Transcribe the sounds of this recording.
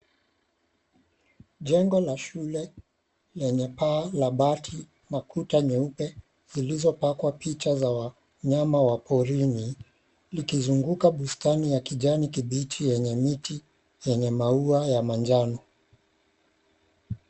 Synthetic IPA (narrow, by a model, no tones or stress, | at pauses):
ʄɛŋɡɔlaʃulɛ | lɛɲɛpaːlaɓatʰi | makʰutaɲɛupɛ | zilizɔpakwapit͡ʃazawa | ɲamawapʰɔɾini | likizuŋɡukaɓustanijakiʄanikiɓitʰijɛɲɛmiti | jɛɲɛmauajamand͡ʒanɔ